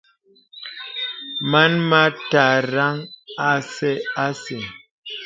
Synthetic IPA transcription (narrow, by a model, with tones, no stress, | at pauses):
ma˦nma˦ta˨ɾa˦ŋa˦sɛ˦a˦se˨